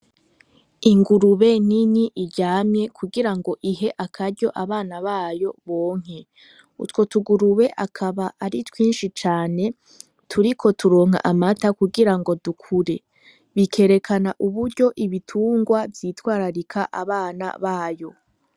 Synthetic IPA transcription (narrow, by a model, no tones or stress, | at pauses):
iŋɡuɾuβe̞n̥iniʔiɾɟaːmɲe̞kʰuɡiɾaŋɡo̞ʔiɦe̞ʔakʰaɾɟo̞ʔaβaːnaβaːjo̞βo̞ːŋ̥e̞ | ṵtko̞tuɡuɾuβe̞ʔakʰaβaʔaɾitwiːnʃit͡ʃaːne̞ | tʰuɾikʰo̞tʰuɾo̞ːŋ̥a̰ʔamatakuɡiɾaŋɡo̞dukʰuɾe̞ | βikʰe̞ɾe̞kʰanaʔuβuɾɟo̞ʔiβitʰuːŋɡwavjiːtwaːɾaɾikʰaʔaβaːna̰βaːjo̞